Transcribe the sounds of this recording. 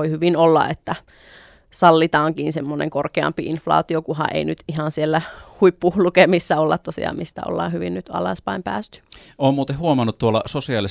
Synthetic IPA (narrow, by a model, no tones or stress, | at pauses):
oihyʋinolːɑ̰et̪ːæ | sɑlːit̪ɑːŋkiːnsemːonḛŋkorkeɑ̰mpiinflɑ̰ːt̪iokuhɑ̰ʔḛinyt̪ihɑnsielːæhuipːuːhlukemisːæolːɑt̪t̪ːosḭɑ̰ːmist̪æ̰o̰lːɑ̰ːhyʋinnyt̪ɑ̰lɑspæimpæ̰ːst̪y̥oːmmuːt̪ehuomɑnːˑut̪t̪uolːˑɑsosiɑli